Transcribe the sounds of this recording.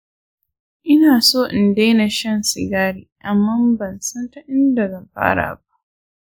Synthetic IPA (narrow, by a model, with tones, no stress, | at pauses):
ʔɪ˦naː˨soː˦˨ʔɪ˨nda˦jna˨ʃɐ˦nsɪ˨ɡaː˦ɽiː˨ʔa˨mːa˦mbɐ˨nsɐ˦nta˦ʔɪ˦nda˨ɡɐ˨mɸa̰ː˦ɽa̰ː˨ba˦ʔ